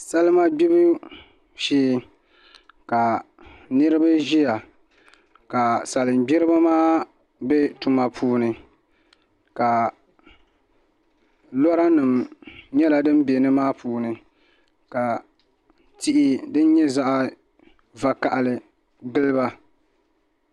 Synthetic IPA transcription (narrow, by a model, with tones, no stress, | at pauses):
sa˦lɨ˦ma˦ɡ͡bi˦bɨ˦ | ʃiː˦ | ka˨ | nɨ˦ɾɨ˦ba˦ʒi˦ja˨ | ka˨sa˨lɨ˨mbɛ˦ɾɨ˦ba˦maː˦ | bɛ˦tu˨ma˨pʰuː˦nɨ˨ | ka˨ | lɔ˦ɾa˦nɨ˨mɲɛ˦la˨dɨ˦m˦bɛ˨nɨ˦maː˦pʰuː˨nɨ˨ | ka˨ | ti˦ʔi˦dɨ˦n˦ɲɛ˦za˦ʔa˦ | va˨ka˨ʔa˨lɨ˨ | ɡɨ˦lɨ˦ba˦